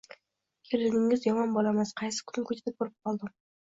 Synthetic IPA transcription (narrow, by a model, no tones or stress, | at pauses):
kʲʰelɪnɪŋɪzjɒmɒnbolˠamasqʰɑjsɪ̥kʰʊ̥nɪkʰɵt͡ʃʰd̪ɪk̚boɾɪp̚qʰɒlˠd̪ɪm